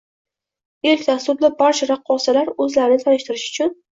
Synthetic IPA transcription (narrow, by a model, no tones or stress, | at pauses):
elkʲd̪ast̪ʊɾd̪abaɾt͡ʃʰaɾaqʰːɒsalaɾɵzlaɾɪnɪt̪ʰanɪʃt̪ɪɾɪʃʊ̥t͡ʃʰʊn